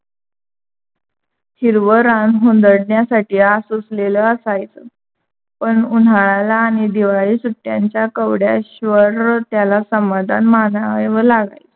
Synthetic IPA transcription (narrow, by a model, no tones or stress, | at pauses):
ɕiɾʋəɾanɦond̪əɽnjasaʈiːasusleləəsajt͡sə | pəɳun̤aɭalaːɽ̃id̪iʋaɭiːsuʈːjaɲt͡ɕjakəʋɽja̰ɕʋəɾt̪jalasəmad̪ʱanmanaeʋəlaɡa̰jt͡s